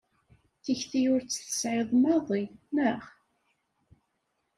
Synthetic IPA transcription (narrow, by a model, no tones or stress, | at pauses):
θiçθijʊɾt͡sːθə̥sʕɪðˤmɑðˤiməʁ